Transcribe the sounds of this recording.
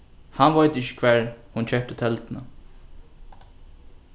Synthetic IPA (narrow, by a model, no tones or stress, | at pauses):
hanʋajt̪ɪçːə̥kʰvɛːɹhʊnt͡ʃʰɛhp̚t̪ət̪ʰɛlt̪na̰